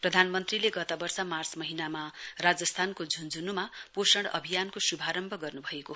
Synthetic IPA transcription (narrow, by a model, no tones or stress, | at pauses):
prʌd̪ʱanmʌnt̪rileɡʌt̪abʌrsʌmart͡smʌɦinamarad͡zʌst̪ʰankod͡zʱund͡zunumaposʌɽ̃ʌ̰bʱijankosubʱaɾʌmbʱʌɡʌrnubʱʌeko